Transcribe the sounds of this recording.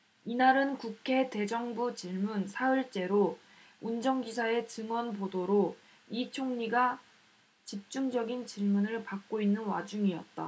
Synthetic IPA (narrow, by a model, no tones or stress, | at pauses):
inaɾɯnkukʰe̞te̞d͡ʑʌŋbut͡ɕiɭmunsʰaɯɭt͡ɕ͈e̞ɾo | und͡ʑʌŋɡisʰae̞t͡ɕɯŋwʌnpodoɾo | it͡ɕʰoŋɲiɡa | t͡ɕip̚t͡ɕ͈uŋd͡ʑʌɡint͡ɕiɭmunɯɭpak̚k͈oinːɯnwa̰d͡ʑuŋiʌ̰t̚t͈a̰